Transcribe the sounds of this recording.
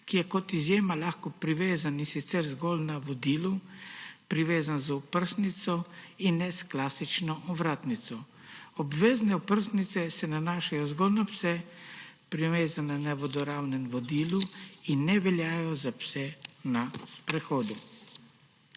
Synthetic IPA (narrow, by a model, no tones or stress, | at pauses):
kijɛkɔt̪izjeːmalaxkɔpɾiʋeːzaninsit̪sɛɾzɡoːlnaʋɔd̪iːlu | pɾiʋeːzanzupəɾsnit̪sɔinːɛsklaːsit͡ʃnɔʔɔʋɾaːt̪nit̪sɔ | ɔbʋeːznɛupəɾsnit̪sɛsɛnanaːʃajɔzɡolnapsɛ | pɾiʋeːzananɛʋɔd̪ɔɾaːwnɛnʋɔd̪iːluinːɛʋɛljaːjɔzapsɛnaspɾɛxoːd̪u